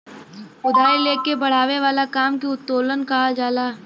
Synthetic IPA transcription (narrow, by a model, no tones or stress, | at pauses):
ʊd̪ʱaːileːkebɐɽ̤aːʋeʋaːlakaːmkiʊt̪ːoːlənkɐɦad͡ʒaːlaː